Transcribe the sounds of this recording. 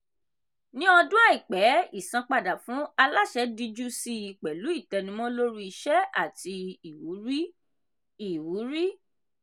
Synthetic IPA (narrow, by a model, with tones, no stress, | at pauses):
nĩ˦ɔ˧du˦a˦˨i˨k͡pɛ˨˦i˦˨sã˧k͡pa˧˨da˨fũ˨˦a˧la˦ʃɛ˦di˧d͡ʒu˦si˦i˨k͡pɛ˨lu˨˦i˦˨tɛ˧nĩ˧˦mɔ̃˦lo˦ɾu˦˧i˧ʃɛ˦a˦˨ti˧i˨wu˨˦ɾi˦ | i˦˨wu˨˦ɾi˦